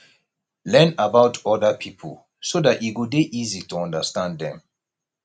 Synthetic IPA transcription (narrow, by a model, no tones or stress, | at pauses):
lɛ̃nabaʊtʰɔdəpʰipʰə̰l | sodatiɡudeʔizituɔ̃ndəstãnddɛ̰̃m